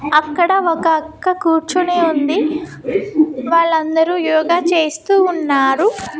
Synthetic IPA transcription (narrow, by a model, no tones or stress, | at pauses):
ɐkːɐɽɐɔkɐɐkːɐkuːɾt͡ʃuneːund̪i | ʋaːɭːɐnd̪ɐɾuːjɔːɡaːt͡ʃe̞ːst̪uːnːaːɾu